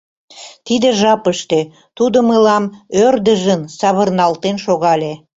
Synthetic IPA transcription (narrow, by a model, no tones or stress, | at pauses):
t̪id̪eʒɑpəʃt̪e | t̪ud̪əməlɑmørd̪əʒənsɑβərnɑlt̪enʃoɣɑlʲe